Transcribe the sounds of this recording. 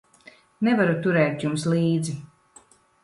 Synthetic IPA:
nɛvaɾut̪uɾɛːt̪jumslˠiːd̪zi

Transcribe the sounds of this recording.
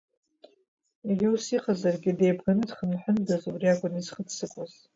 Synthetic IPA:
iɡʲɪusiχazarɡʲɪde̞jbɡanɨdχənħʷᶣʊndazubriakʷʼʊnizχədsɨkʷʼaz

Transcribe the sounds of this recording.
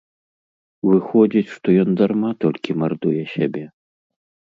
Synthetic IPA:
vɨxɔd͡zʲit͡sʲʂt̪ɔjɔnd̪armat̪ɔlʲkʲimard̪ujɛsʲabʲɛ

